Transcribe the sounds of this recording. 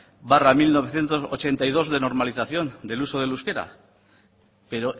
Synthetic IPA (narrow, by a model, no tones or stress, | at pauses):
baramilno̞β̞e̞θje̞nt̪o̞sot͡ʃe̞nt̪ajð̞o̞zðe̞no̞ɾmaliθaθjo̞nd̪e̞luso̞ð̞e̞luske̞ɾa̰ | pe̞ɾo